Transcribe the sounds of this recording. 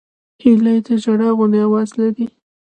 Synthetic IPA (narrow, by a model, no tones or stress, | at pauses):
hilajt̪əd͡ʒaɽaɣʊnd̪ejawɑzlaɾi